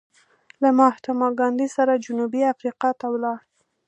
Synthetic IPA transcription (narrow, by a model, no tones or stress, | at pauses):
lamɑht̪amɑɡɑnd̪isaɾad͡ʒʊnubiafɾiqɑt̪awlɑ